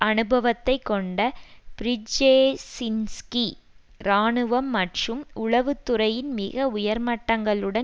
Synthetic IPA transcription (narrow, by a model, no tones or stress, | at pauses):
ɐnɯbɐʋɐt̪ːɐɪkːɔɳɖɐpɪɾɪd͡ʒeːsɪnski | ɾaːɳɯʋɐmːɐʈrɯmʊɭɐʋɯt̪ːɯrɐjɪnmɪɣɐʊjɐɾmɐʈːɐŋɡɐɭɯɽɐ